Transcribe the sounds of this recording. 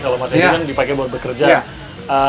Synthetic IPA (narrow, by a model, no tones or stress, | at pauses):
kalomasakandipakebawat̪̚bəkərd͡ʒa | ə